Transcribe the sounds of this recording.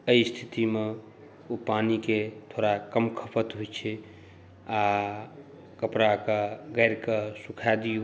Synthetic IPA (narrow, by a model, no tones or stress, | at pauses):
əist̪ʰi̥t̪ime | opaniket̪ʰoɾakəmkʰəpʰət̪ɦojt͡ʃʰɛ | a | kəpɾakəɡəjɾkəsukʰad̪iju